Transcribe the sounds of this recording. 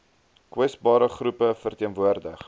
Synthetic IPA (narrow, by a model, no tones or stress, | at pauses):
kwɛsbɑːɾəχrupəfərtiənvuərdəχ